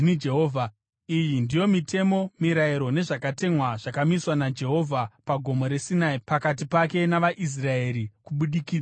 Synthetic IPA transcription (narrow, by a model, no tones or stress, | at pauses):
id͡ʒeɦoːvʱa | ijindijo̞mite̞mo̞miɾaiɾo̞ne̞ʐakate̞mwaʐ̥akamiswanad͡ʒe̞ɦo̞vʱapaɡʱo̞mo̞ɾe̞sinaipakat̬ipake̞naʋaʔis̬rae̞ɾikuɓuɗikiːd͡za